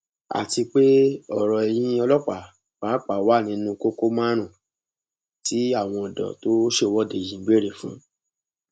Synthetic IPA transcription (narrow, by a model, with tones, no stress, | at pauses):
a̰˨ti˧k͡pe˦ɔ˨ɾɔ˨e˨j̃ĩ˦ɔ˧lɔ˦k͡pa˨ | k͡paː˨˦k͡pa˨wa˦˨nĩ˨˦nũ˧ko˦ko˦mã˦ɾ̃ũ˦˨ | ti˨˦a˦˨w̃ɔ̃˧ɔ˨dɔ̰˨to˦ʃe˦˨wɔ˦de˨jĩ˨˦ɡ͡be˦˨ɾe˨fṵ̃˨˦